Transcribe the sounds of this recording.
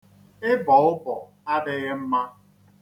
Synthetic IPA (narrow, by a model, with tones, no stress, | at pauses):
ɪ˦bɔ˨ʊ˦bɔ˨ | a˦ɖɪ˦ɣe˦m̩˦ma˦